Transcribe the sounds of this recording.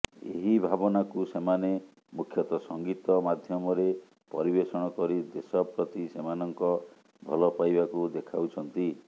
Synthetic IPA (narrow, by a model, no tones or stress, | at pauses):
ḛɦibʱabɔnakusemane | mukʰjɔt̪ɔsɔŋɡit̪ɔmad̪ʱjɔmɔɾe | pɔɾibesɔɽ̃ɔkɔɾid̪esɔpɾɔt̪isemanɔŋkɔ | bʱɔ̰lɔpajbakud̪ekʰawt͡ʃʰɔnt̪i